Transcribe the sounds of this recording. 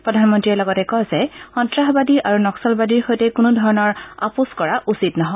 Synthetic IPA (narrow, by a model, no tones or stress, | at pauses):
pɹɔdʱanmɔntɹiɛlɔɡɔtɛkɔzɛxɔntɹaɦbadiʔaɹunɔksɔlbadiɹxojtɛkʊnudʱɔɹɔnɔɹa̰puskɔɹaʔusitnɔɦɔ